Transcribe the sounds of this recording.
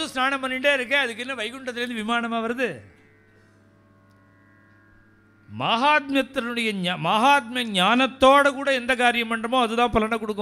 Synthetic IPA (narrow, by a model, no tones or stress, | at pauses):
ɐðɯ̃snaːɳɐmpɐnːɪɳɖeːɪɾɯkːeɐðɯkːɪnːɐʋɐɪkːɯɳʈːɐt̪ːɪɐɾɯnd̪ɯʋɪmaːɳɐmaːʋɐɾɐðɯ | maːɦaːt̪̚mjɐt̪ːɐʊɽɐjɐɲmaːɦaːt̪̚mjɐɲaːnɐt̪ːoːɽɐkuːɽɐɛnd̪ɐkaːɾɪjɐmpɐɳɖɐmõːɐðɯt̪ãːpɐlɐnɐkːɔɽɯkːʊ̃